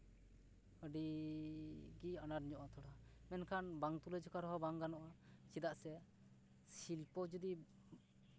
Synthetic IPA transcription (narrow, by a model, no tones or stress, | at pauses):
əɖi | ɡianaɾɲɔʔɔt̪ʰɔɽamɛnkʰanbaŋt̪ulɛd͡ʒɔkaɾɔɦɔbaŋɡanɔʔat͡ʃid̪aʔsɛ | silpɔd͡ʒɔd̪i